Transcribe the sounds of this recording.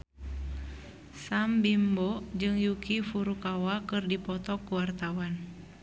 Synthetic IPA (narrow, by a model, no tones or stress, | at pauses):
sambimbɔd͡ʒɨŋjukifuɾukawakɨrdipɔt̪ɔkuwart̪awan